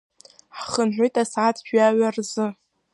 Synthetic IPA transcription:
ħχənħʷʏjtʼasʕatʰʼʒᶣɥaɥarzɨ

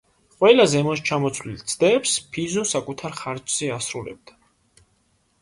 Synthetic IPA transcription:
qʼwɛlazɛmɔst͡ʃʰamɔt̪sʰvlḭlt̪sʰd̪ɛːpspʰizɔsakʼut̪ʰaɾχaɾt͡ʃz̥ɛasɾulɛ̰b̚d̪̥a

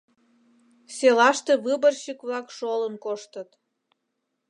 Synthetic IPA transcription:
selɑʃt̪eβɨbərɕəkβlɑkʃolənkoʃt̪ət̪

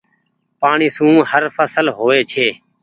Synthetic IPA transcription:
paːɳiːsũːhəɾfəsəlɦoːeːt͡ʃʰeː

